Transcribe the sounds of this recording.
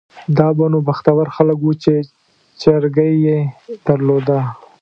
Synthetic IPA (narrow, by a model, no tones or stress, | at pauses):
d̪ɑbanobaxt̪awaɾxaləkwut͡ʃe | t͡ʃaɾɡajjed̪̥aɾlod̪a